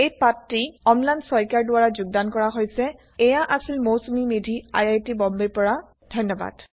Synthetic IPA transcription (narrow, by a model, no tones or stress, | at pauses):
ejpatːiɔmlajnsɔjkaɹdʊwaɹazʊɡ̚dankɔɹaɦojsɛ | ɛjaʔasilmowsumimedʱia̰jajtibɔmbeɹpɔɹa | dʱɔjnːɔba̰d̥